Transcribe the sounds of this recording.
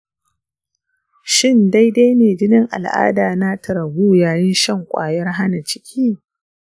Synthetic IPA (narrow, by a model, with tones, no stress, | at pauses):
ʃɪ˦nda˦jdeː˦jneː˨d͡ʒɪ˦nɪ˦ŋʔa̰˨lʔa̰ː˦daː˨na˦tʰɐ˨ɾɐ˨buː˦jaː˨jɪ˦nʃɐ˦˨ŋkʷʼa̰ː˨jɐ˦rɦa˦na˨t͡ʃɪ̥˦kʲʰiː˦